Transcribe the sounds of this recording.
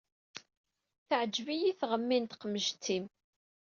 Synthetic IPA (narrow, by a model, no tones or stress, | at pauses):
θəʕəd͡ʒːvijiθʁəmːint̪qəmːəʒt̪ːim